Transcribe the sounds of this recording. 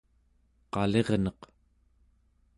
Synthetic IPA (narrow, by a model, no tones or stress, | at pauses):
qɑle̞ʁnʌq